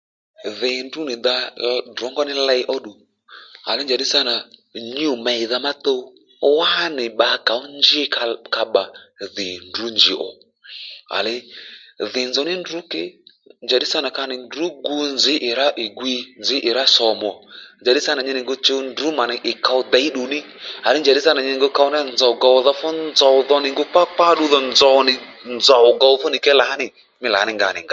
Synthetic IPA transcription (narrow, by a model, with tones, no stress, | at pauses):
ðɪ˨ndu˦nɪ˨ða˧dɔ˨˦ŋɡɔ˦nɪ˦lɛ˧jʔɔ˦ɗu˨ | a̰˨lɪ˦nd͡ʒa˨ɗi˦sa˦na˨ɲu˦˨mɛ˨i˨ða˧ma˦t̪o˦ | wa˦nɪ˨ɓa˨˧˦ka˨ʊ˦nd͡ʒɪ˦kka˧ɓa˨ðɪ˨ndu˨˦nd͡ʒɪ˨ʔɔ̰˨ | a̰˨lɪ˦ðɪ˨nzɔ˨˦nɪ˦ndʊ˨˦kɪ˦ | nd͡ʒa˨di˦sa˦na˨ka˧nɪ˨ndu˨˦ɡu˧nzɪ˨˦ʔɪ˨ɾa˦ʔɪ˨ɡwi˧nd͡zɪ˨˦ʔɪ˨ɾa˦sɔ˨mɔ˨nd͡ʒa˨di˦sa˦na˨ɲɛ˦˧nɪ˨ŋɡo˧t͡ʃo˧ndu˨˦ma˨nɪ˨ʔɪ˨ka˧ʊ˧˦d̪a˨˦i˦ɗu˨nɪ˦ | a˨lɪ˦nd͡ʒa˨di˦sa˦na˨ɲɛ˧˨ŋɡo˧˦ka˧ʊ˦na˦˨nzɔ˨ɡa˧wðɔ˧fɔ˦nzɔ˨ðɔ˧nɪ˨ŋɡo˧˦k͡pa˦k͡pa˦ɗu˧˦ðɔ˨nzɔ˨nɪ˨ | nd͡zɔ˨ɡa˧wfɔ˦nɪ˨kɛ˦la˨a˦nɪ˨ | mɪ˦la˨˦nɪ˨ŋɡa˨nɪ̰˨ŋa˦